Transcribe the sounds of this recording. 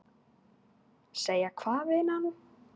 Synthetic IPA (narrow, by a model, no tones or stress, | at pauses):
seːjakʰvaːvɪnanu